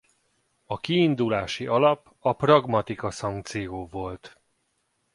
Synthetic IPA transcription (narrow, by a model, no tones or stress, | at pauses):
ɒkiːnd̪ulaːʃiɒlɒp | ɒprɒɡmɒt̪ikɒsɒŋk̚t̪sijoːvo̞lt̪